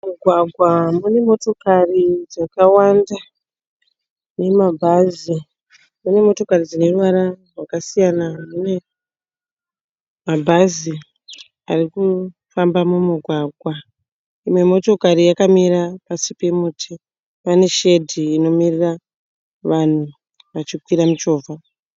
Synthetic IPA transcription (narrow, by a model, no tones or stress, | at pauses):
muɡʱwaɡʱwamune̞mo̞to̞karid͡zakawanda | ne̞mabʱazi | mune̞mo̞to̞karid͡zine̞ruʋaɾarwakasijanamune̞ | mabʱazi | ariku | fambamumuɡʱwaɡʱwa | imwe̞mo̞to̞karijakamiɾapasipe̞mutʰi | pane̞ʃe̞dʱiːno̞mirira | ʋan̤u | ʋat͡ʃikwiɾamut͡ʃo̞ːvʱa